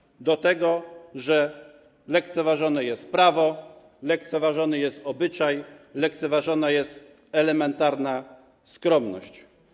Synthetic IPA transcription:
d̪ɔt̪ɛɡɔʐɛ | lɛkt̪sɛvaʐɔnɛjɛst̪̚pɾavɔ | lɛk̚t̪sɛvaʐɔnɛjɛst̪ɔbɘt͡ʂajlɛk̚t̪sɛvaʐɔnajɛst̪ | ɛlɛmɛnt̪aɾna | skɾɔmnɔ̰ɕt͡ɕ

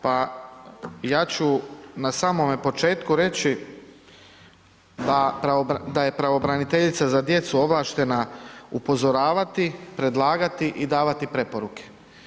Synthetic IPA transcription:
pa | jaːt͡ɕunasaːmo̞mepo̞t͡ʃe̞ːt̪kuɾe̞t͡ɕi | d̪apɾaod̪aje̞pɾaʋo̞bɾanit̪e̞ʎit̪sazad̪je̞t̪suo̞ʋlˠaːʃt̪e̞naupo̞zo̞ɾaːʋat̪ipɾe̞d̪lˠaːɡat̪iʔid̪aːʋat̪ipɾe̞po̞ɾuke̥

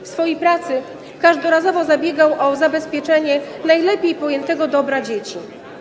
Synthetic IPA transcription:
fsfɔjejpɾat̪sɘ | kaʐd̪ɔɾazɔvɔzabʲjeɡawʔɔzabɛspʲjɛt͡ʂɛɲɛnajlɛpʲejpɔjɛnt̪ɛɡɔd̪ɔbɾad͡ʑet͡ɕi

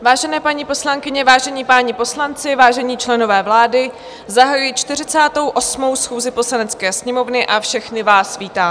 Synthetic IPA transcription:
vaːʒɛnɛːpaɲipo̞slaŋkɪɲɛvaːʒɛɲiːpaːɲipo̞slant͡sɪvaːʒɛɲiːt͡ʃlɛno̞vɛːvlaːdɪ | zaɦajujit͡ʃt̪ɪr̝ɪt͡saːt̪o̞wʔo̞smo̞wsxuːzɪpo̞slanɛt͡skɛːsɲɛmo̞vnɪʔafʃɛxnɪvaːsviːt̪aː

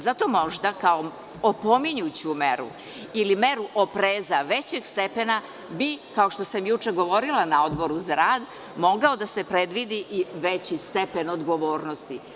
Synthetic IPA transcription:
zat̪o̞mo̞ʒd̪akao | opomiɲut͡ɕumeɾṵ | ilime̞ɾuʔopɾeːzaʋet͡ɕeɡst̪epena | bikao̞ʃt̪o̞samjut͡ʃeɡo̞ʋo̞ɾilanao̞d̪bo̞ɾuzaɾaːd̪ | mo̞ɡaod̪ase̞pɾe̞d̪ʋid̪iʔiʋet͡ɕist̪e̞pe̞nod̪ɡo̞ʋo̞ːɾno̞st̪i

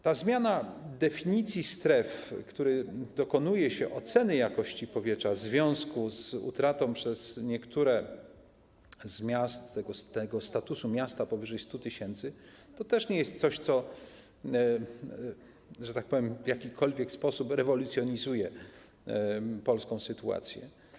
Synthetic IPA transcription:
t̪azmʲjanad̪ɛfʲiɲit̪sʲjist̪ɾɛfkt̪uɾɘd̪ɔkɔnujɛɕɛʔɔt̪sɛnɘjakɔɕt͡ɕipɔvʲjɛtʂazvʲjɔ̃w̃skuzṵt̪ɾat̪ɔ̃w̃pʂɛzɲɛkt̪ʰuɾɛ | zmʲjast̪ːɛɡɔst̪ɛɡɔst̪at̪usumʲjast̪apɔvɘʐɛjst̪ut̪ɘɕɛnt̪sɘ | t̪ɔt̪ɛʂɲɛjɛst̪sɔɕt̪sɔ | ʐɛt̪ak̚pɔvʲjɛmvʲjakʲikʰɔlvʲjɛkspɔsupɾɛvɔlut̪sʲjɔɲizujɛ | pɔlskɔ̃w̃sɘt̪ua̰t̪sʲjɛ̰

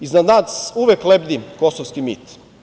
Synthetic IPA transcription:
iznad̪naːsuʋeklebd̪ikosoʋskimḭt̪

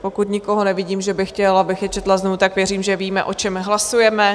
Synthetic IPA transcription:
po̞kut̪ɲɪkoɦo̞nɛvɪɟiːmʒɛbɪxcɛlabɪxjɛt͡ʃɛt̪laznovut̪akvjɛriːmʒɛviːmɛ̰ʔo̞t͡ʃɛmɦlasujɛmɛ

